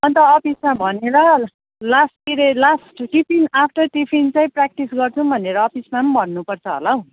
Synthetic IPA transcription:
ʌnt̪ʌːpismabʱʌneɾʌ | lasʈkiɾelasʈʈipʰinapʰnʌʈipʰint͡saĩprak̚ʈisɡʌrt͡sʰũbʱʌneɾʌːpʰismambʱʌnːupʌrt͡sʰʌɦo̰lʌw

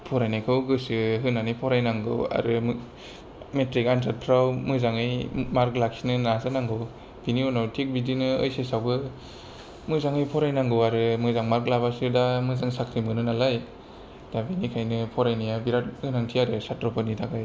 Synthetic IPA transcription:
pʰɔɾajnajkʰɯwɡɯsɯɦɯnanɯjpʰɔɾajnaŋɡɯ̰wa̰ɾɯm | metɾikantʰat̚pʰɾawmɯzaŋɯjmaɾklak̚sinɯnazanaŋɡɯw | b̥iniɔnawtʰik̚bidinɯɯjsesawbɯ | mɯzaŋɯjpʰɔɾajnaŋɡɯwaɾɯmɯzaŋmaɾklabasɯdamɯzaŋsakʰɾimɯnɯnalaj | d̥abinikʰajnɯpʰɔɾajnajabiɾat̚hɯnaŋtʰiaɾɯsatɾɔpʰɯnitʰaɡaj

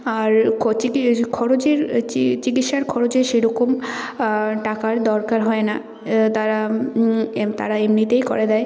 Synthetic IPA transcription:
aɾt͡ɕiikʰɔɾod͡ʑeɾt͡ɕit͡ɕikit̪ʃaɾkʰɔɾod͡ʑeʃeɾɔkom | ʈakaɾd̪ɔɾkaɾɦɔena | t̪aɾa | t̪a̰ɾaemnit̪ejko̰ɾed̪ɛe

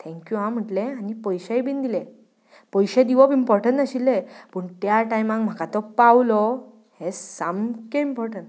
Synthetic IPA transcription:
t̪ʰɛ̃ŋkjuɦãm̤əʈlẽanipɔjɕajbind̪ilẽ | pɔjɕẽd̪iʋɔpimpɔɾʈəɳʈ̪əɕilːepəɳt̪jaʈajmãŋkm̤akat̪ɔpawlɔ | hesamkeimpɔɾʈəɳʈ

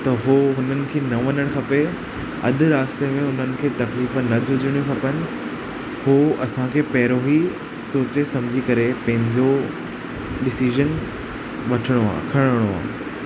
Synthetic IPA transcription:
t̪ɐɦoɦʊnənɪ̆kʰeːnɐʋɐnəɽ̃kʰɐpe | ɐ̰d̪ʱʊ̆ɾaːst̪emẽʊn̤ənɪ̆kʰeːt̪ɐkliːfnɐd͡ʑʱʊd͡ʑʱɪɽ̃jũkʰɐpənɪ̆ | hoːɐsãkʰeːpɐɦɾoɦi | soːt͡ɕesɐ̃md͡ʑʱikɐɾepɐ̃ɦɪ̃ɲd͡ʑo | ɗɪsiʒən | ʋɐʈʰɪɽ̃oa̰ːkʰɐɽ̃əɽ̃oa̰ː

